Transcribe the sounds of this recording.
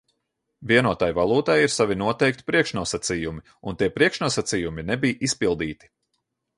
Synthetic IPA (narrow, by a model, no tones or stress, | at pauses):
viɛnuɔt̪ajvalˠuːt̪ajiɾsavinuɔt̪ɛjk̚t̪ʲi̥pɾiɛkʃnuɔsat̪sijumi | ṵnt̪iɛpɾiɛkʃnuɔsat̪sijuminɛbijʔispilˠd̪iːt̪i̥